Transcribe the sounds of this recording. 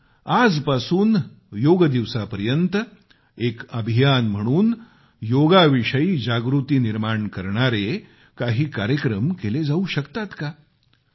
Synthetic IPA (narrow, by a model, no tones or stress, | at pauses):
ad͡zpasuːn | joɡd̪iʋsapəɾjənt̪ | ekəbʱijanm̤əɽ̃uːn | joɡaʋiʂəiːd͡ʑaɡɾut̪iːniɾmaɳkəɾɳaɾe | kaɦiːkaɾjəkɾəmkeled͡zauɕəkt̪at̪ka